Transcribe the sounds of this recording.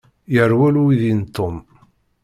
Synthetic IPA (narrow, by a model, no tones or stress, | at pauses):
jəɾwæluwiðint̪ːom